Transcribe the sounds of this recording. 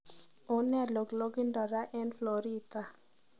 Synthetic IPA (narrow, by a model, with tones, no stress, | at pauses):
o˨˦nɛ˦˨lo˨ɡlo˦ɡi˦ndɔ˨ɾa˦ʔɛ˦nflo˨ɾi˦ta˨